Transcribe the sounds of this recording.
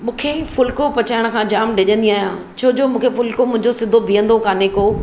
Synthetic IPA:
mũːkʰefʊlkopɐt͡ɕaːɪɽ̃̆kʰãːd͡ʑaːmɖɪʄə̃nd̪iaːɦjãː | t͡ɕʰoːd͡ʑoːmũːkʰefʊlkomʊ̃ɦɪ̃ɲd͡ʑosɪd̪ʱobʱijə̃nd̪okaːneko

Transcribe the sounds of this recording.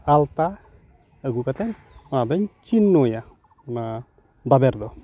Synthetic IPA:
alt̪a | əɡukat̪ɛn | ɔnad̪ɔɲt͡ʃinːoja | ɔna | babɛɾd̪ɔ

